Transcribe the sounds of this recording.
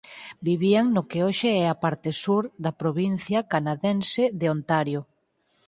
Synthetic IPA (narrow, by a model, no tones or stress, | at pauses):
biβiaŋnʊkeoʃeɛapaɾt̪ɪsuɾðɐpɾoβin̟θjakanaðɛnsɪðeont̪aɾjo